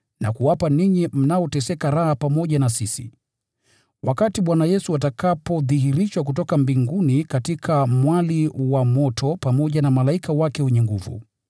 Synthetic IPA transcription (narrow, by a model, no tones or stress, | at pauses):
na̰kuwapaniɲim̩naɔtɛsɛkaɾahapamɔʄanasisḭ | wakatiɓwanajɛsuatakapɔðiɦiɾiʃwak̬utɔkambiŋɡunikatikʰamwaliwamɔtʰɔpamɔʄanamalaikʰawakɛhɛɲɛŋɡuvṵ